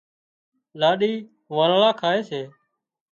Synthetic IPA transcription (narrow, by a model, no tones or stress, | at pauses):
laːɗiː | ʋəːlːlaːkʰaːeːseː